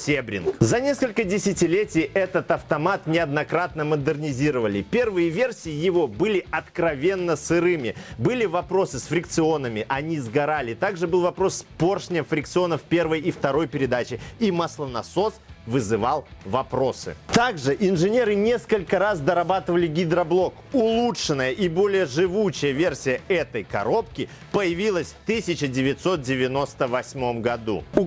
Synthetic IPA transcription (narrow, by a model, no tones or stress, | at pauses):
sʲebɾʲɪ̰nkzɐnʲe̞skəlʲkədʲɪsʲɪtʲɪlʲetʲɪjʔɛt̪ət̪ɐft̪ɐmat̪nʲɪɐd̪nɐkɾat̪nəməd̪ɨrnʲɪzʲiɾəvəlʲɪ̰pʲe̞rvɨjəvʲe̞rsʲijɪjɪvo̞bɨlʲɪɐt̪kɾɐvʲe̞nːəsɨɾɨmʲɪbɨlʲɪvɐpɾo̞sɨsfɾʲɪkt̪sɨo̞nəmʲɪʔɐnʲizɡɐɾalʲɪt̪aɡʐɨbɨlˠvɐpɾo̞sːpo̞rʂnʲəmfɾʲɪkt̪sɨonəfpʲe̞rvəjift̪ɐɾo̞jpʲɪɾʲɪd̪at͡ɕɪimɐslˠənɐso̞svɨzɨvalˠvɐpɾo̞sɨ̰t̪aɡʐɨʔɪnʐɨnʲe̞ɾɨnʲe̞skəlʲkəɾasd̪əɾɐbat̪ɨvəlʲɪɡʲɪd̪ɾɐblˠo̞k | ʊlˠutʂɨnːəjəʔibo̞lʲɪjəʐɨvut͡ɕɪjəvʲe̞rsʲɪjəɛt̪əjkɐ̰ɾo̞pkʲɪ | pəjɪvʲilˠəsʲft̪ɨsʲɪt͡ɕɪdʲɪvʲɪt̪ʲso̞t̪̚dʲɪvʲɪno̞st̪əvɐsʲmo̞mɡɐd̪ṵʊ